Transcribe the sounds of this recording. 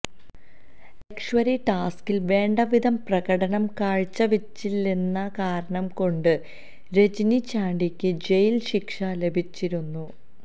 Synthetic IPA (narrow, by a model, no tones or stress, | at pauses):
ekʂʋɐɾiʈaːskilʋe̞ːɳɖɐʋid̪ʱɐmprɐɣɐɽɐɳɐmkaːɻt͡ɕːɐʋit͡ɕːilːinːɐkaːɾɐɳɐmko̞ɳɖɨ | ɾe̞d͡ʑinit͡ɕaːɳɖikʲːɨd͡ʑe̞jlɕikʂɐle̞bʱit͡ɕːiɾunːu